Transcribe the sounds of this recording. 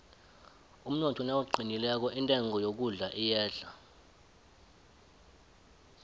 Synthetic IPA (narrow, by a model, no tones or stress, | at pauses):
um̩nɔtʰɔnawuǃʱinilɛk̬ɔʔintʼɛŋʱɔjok̬uɮaʔijɛːɮa